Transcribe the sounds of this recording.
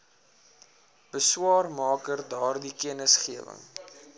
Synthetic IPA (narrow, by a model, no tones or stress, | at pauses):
b̥əswɑːrmɑːkərdɑːrdikiənəsχiəvə̰ŋ